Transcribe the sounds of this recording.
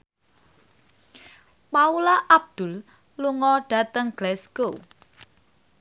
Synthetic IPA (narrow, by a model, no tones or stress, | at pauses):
paulaʔab̚d̪̥ʊl | luŋɔɖ̥a̤t̪əŋɡ̥lɛsko